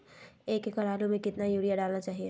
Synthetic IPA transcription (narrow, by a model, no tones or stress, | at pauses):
eːkːekəɾaːɾomẽkɪt̪najuɽijaɖaːlnat͡ʃaːɦie